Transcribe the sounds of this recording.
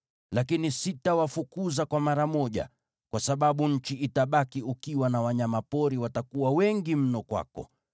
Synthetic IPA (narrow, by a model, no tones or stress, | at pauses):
lakinisitawafukuzakwamaɾamɔʄa̰ | kwasaɓaɓuɲ̩t͡ʃiʔitaɓakiukiwanawaɲamapɔɾiwatakuwawɛŋɡim̩nɔkwa̰kɔ̰